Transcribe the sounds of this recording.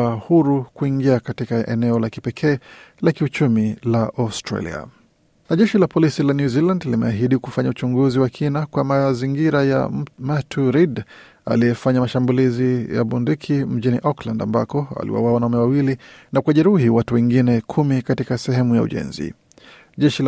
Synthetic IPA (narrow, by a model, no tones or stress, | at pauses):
ahuɾukuiŋɡiakatikaʔɛ̰nɛɔlaki̥pɛkʰɛːlakiut͡ʃumilaʔastɾa̰lḭa̰ | naʄɛʃilapɔlisilanjuzilandlimɛaɦiɗikufaɲaut͡ʃuŋɡuziwakʰinakwamaziŋɡiɾaja̰matʰuɾid | a̰lijɛfaɲamaʃambulizija̰ɓundikʰim̩ʄiniʔɔklanda̰mbakɔwa̰lḭwa̰wawanaumɛwawilinakuwaʄɛɾuɦiwatuwɛŋɡinɛkʰumikatikasɛɦɛmuja̰ṵʄɛ̰nzḭ | ʄɛʃil